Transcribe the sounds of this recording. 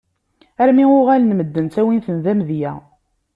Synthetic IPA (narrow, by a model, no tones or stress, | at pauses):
æɾmiʊʁælənməd̪ːənt̪æwinθənðæmðjæ̰